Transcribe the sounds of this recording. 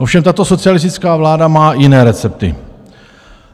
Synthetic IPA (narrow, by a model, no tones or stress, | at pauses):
ʔofʃɛmt̪at̪o̞so̞t͡sɪjalɪs̬t̪ɪt͡skaːvlaːdamaːjɪnɛːɾɛt͡sɛp̚t̪ɪ̰